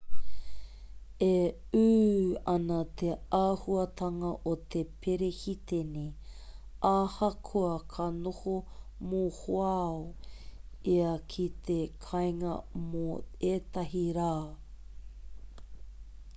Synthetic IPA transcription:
e | ʉːɐnɐt̪ʰeaːhuɐt̪ʰɐŋɐʔot̪ʰepʰeɾehit̪ene | aːhɐkʰoɐkʰɐnohomohoao | iɐkʰit̪ekʰɐjŋɐmoeːt̪ɐɦiɾaː

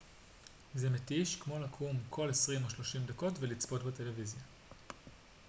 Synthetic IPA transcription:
zemetiʃkmo̞lakʰumkʰo̞lesʁimo̞ʃlo̞ʃimd̪ako̞tvelit͡spo̞tbete̞le̞vizja

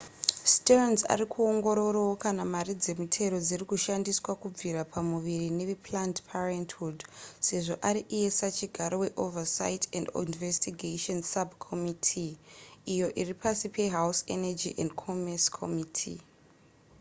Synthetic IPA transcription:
stenza̰ɾikʰuo̞ŋɡo̞ɾo̞rowokanamaɾid͡ze̞mitʰe̞ɾo̞d͡zirikuʃandiswakub͡viɾapʰamuʋiɾine̞ʋepʰlantpʰarenthudse̞ʐo̞ʔaɾiʔije̞sat͡ʃiɡʱaɾo̞weʔovasa̰itʰendḭnvestiɡʱaʃonsabkʰomitʰiː | jo̞ʔiripasipe̞ɦawsḛnad͡ʒiʔendkʰomeskʰo̰mitʰḭ

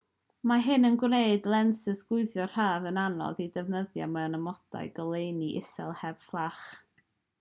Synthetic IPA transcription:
maɦɨnənɡwneɨdlˠɛnsɪsɡ̥ʊɨðjɔr̥aːvənanɔ̰ðidɛvnəðja̰maanəmɔda̰jɡəlˠejniʔɪsɛ̰lˠhɛv̥flˠaχ

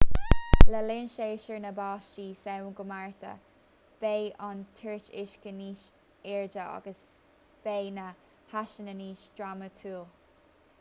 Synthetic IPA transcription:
ləlɪnʃeːʃəɹnəbɑːʃiːsɛwnɡʊmaɹt̪ʰə̰ | b̥eːʔant̪ʰəɹt͡ʃɪʃkəniːʃ | ɛɹd͡ʒəɑ̰ɡəs | b̥eːnə | haʃənəniːʃd̥ɹamət̪ʰuːlˠ

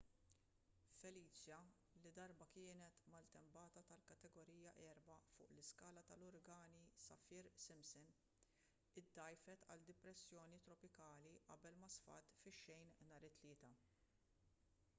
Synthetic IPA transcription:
fɛliːt͡ʃjɐ | lid̪ɐɾbɐkɪːnɛt̪mɐlt̪ɛmbɐːt̪ɐt̪ɐlkɐt̪ɛɡɔɾiːjɐʔɛːɾbɐfʊ̰ːʔlɪskɐːlɐt̪ɐlɔɾɡɐːnisɐ̰fɪɾsɪmsɪn | ɪd̪ːɐjfɛt̪ɐ̰ld̪ɪpɾɛsːjɔːnit̪ɾɔpɪkɐːliʔɐ̰bɛlmɐsfɐ̰t̪fɪʃːɛjnnɐːɾɪt̪ːlɪːt̪ɐ

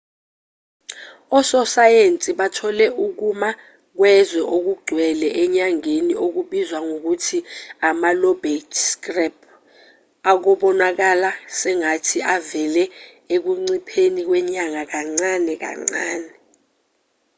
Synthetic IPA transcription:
ɔsɔsajent͡sʼiɓatʰɔlɛʔuk̬uma | k̬wɛzwɛʔok̬uɡ͡ǀʱwɛlɛʔɛɲaŋeniok̬uɓizwaŋok̬utʰiamalɔbetʰskrɛp̚ʰ | ak̬ɔɓɔnak̬alasɛŋatʰiʔavɛlɛ | ek̬uŋ͡ǀipʰenik̬wɛɲaŋak̬aŋ͡ǀanɛk̬a̰ŋ͡ǀaːnɛ

